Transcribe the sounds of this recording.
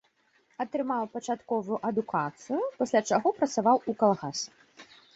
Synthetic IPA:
ɐt̪ɾɨmawpɐt͡ʂat̪kɔvujuʔɐd̪ukʰat̪sɨjupɐsʲlʲat͡ʂaɣɔpɾɐt̪savawukalˠɣas

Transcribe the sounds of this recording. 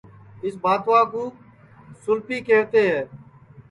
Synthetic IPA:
ɪs̬baːt̪ʋãːkũː | sʊlpiːkeːʋt̪eːɦɛː

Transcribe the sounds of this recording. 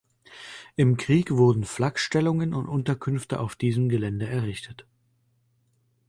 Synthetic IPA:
ʔɪmkʁ̥iːkv̥ʊɐdn̩flakʃtɛlʊŋənʊntʔʊntɐkʰʏnftəʔaʊfd̥iːzəmɡəlɛndəɛɐʁɪçtʰət

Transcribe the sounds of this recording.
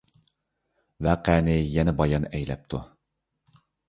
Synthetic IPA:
væːqæːnɪjɛnɛbɑjɑnɛjlɛ̰p̚t̪ʰṵ

